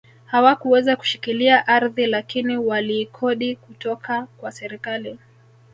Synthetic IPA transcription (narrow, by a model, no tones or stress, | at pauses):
hawakuwɛzaku̥ʃikiliaʔaɾðilakiniwaliːkʰɔɗikutɔkakwasɛɾikali